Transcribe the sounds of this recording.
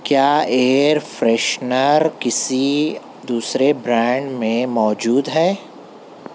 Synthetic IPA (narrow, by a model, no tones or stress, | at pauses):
kjaːeːɾfɾɛʃnəɾkɪsi | d̪uːsɾebɾɛ̃ːɳɖmẽmɔːd͡ʒuːd̪ɦɛː